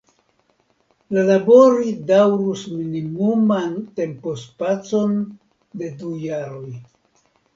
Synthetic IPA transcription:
lalaboɾidawɾusminimumante̞mpo̞spat͡so̞n | de̞dujaɾo̞j

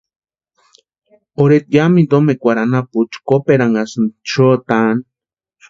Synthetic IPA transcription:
oɾet̪jamind̪omekʷaɾanaput͡ʃkopeɾaŋasɨnt͡ʃot̪an

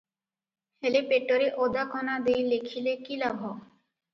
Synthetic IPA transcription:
helepeʈːoɾeʔod̪akʰɔnad̪ejlekʰilekilabʱɔ

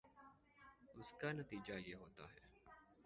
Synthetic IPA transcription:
ʊskaːnət̪iːd͡ʒaːjeːɦoːt̪a̰ːɦɛː

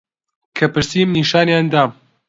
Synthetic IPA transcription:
kʰɐpɨɾsimniʃaːnjaːnd̪aːm

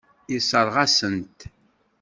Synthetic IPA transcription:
isəɾˤʁasənt̪

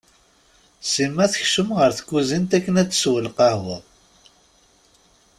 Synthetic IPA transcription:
simːæθəçʃəmʁəɾθə̥kːuzint̪ækːənæt͡sːswəlqɑhwəðˤ

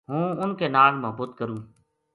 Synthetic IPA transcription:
ɦũːʊnkeːnaːlməɦbuːt̪kəɾũː

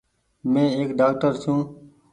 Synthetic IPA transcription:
mẽːeːkɖaːk̚ʈəɾsũː

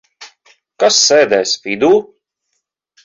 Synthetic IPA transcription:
kasːɛːd̪ɛjsfid̪uː

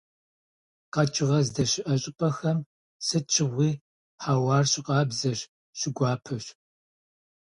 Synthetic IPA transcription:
qɐt͡ʃʼɪʁɐzdɐɕɪʔɐɕʼɪpʼɐxɐm | sɨt͡ʃʰɪʁʷiː | ħaːwɑːrɕɪqʼɑːbzɐɕ | ɕɪɡʷɑːpʰɨɕ

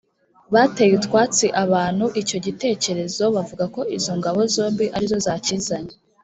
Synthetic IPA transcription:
βatejutkwaːt͡siʔaβaːn̥huʔico̞ɟite̞ːce̞ɾe̞zo̞βavuɡako̞izo̞ŋɡaβo̞zo̞ːmbiʔaɾizo̞zaːciːzaɲe

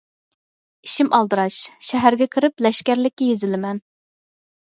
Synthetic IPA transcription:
iʃimʔɑlˠd̪ɨɾɑʃʃɛɦæɾɡʲɛkʲʰɪɾɪplɛʃkʲæɾlɪkʲːɛjezɪlɪmɛn

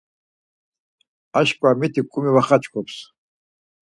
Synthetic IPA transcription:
aʃkʷʼamitʰikʷʼʊmiwaχat͡ʃʰʼkʷʰʼɔpʰs

